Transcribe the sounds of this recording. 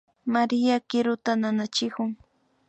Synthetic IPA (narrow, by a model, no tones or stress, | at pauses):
maɾɪjakɪɾʊt̪ananat͡ʃɪkʊŋ